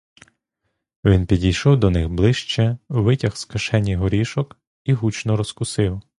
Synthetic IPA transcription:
ʋʲinpʲidʲijʃɔwd̪ɔnɪxblˠɪʃt͡ʃɛʋɪtʲɐxskɐʃɛnʲːijɦɔɾʲiʃɔk | iɦut͡ʃnɔɾɔskʊsɪw

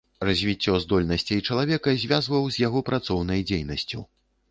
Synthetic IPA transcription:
razʲvʲit͡sʲːɔzd̪ɔlʲnɐsʲt͡sʲejt͡ʂɐlˠavʲɛkɐzʲvʲazvɐwzʲjaɣɔpɾat̪sɔwnɐjd͡zʲejnɐsʲt͡sʲṵ

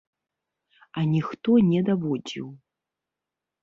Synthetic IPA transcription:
anʲixt̪ɔnʲɛd̪avɔd͡zʲḭw

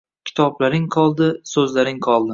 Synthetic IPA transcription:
kʲʰɪ̥t̪ʰɒblaɾɪŋqʰɒlˠd̪ɪsɵzlaɾɪŋqʰɒlˠd̪ɪ

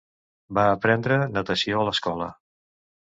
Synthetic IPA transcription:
baəpɾɛnd̪ɾənət̪əsioələskɔlə

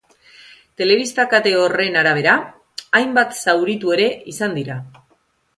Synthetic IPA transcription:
t̪e̞le̞βist̪akat̪e̞o̞re̞naɾaβ̞e̞ɾaː | jmbat̪sawɾit̪ue̞ɾe̞isand̪iɾa

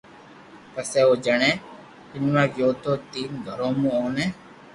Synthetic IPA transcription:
pəseːoːd͡ʒəɳẽː | ɪnʋãːɡjoːt̪oːt̪iːnɡʱəɾõːmũːoːnẽː

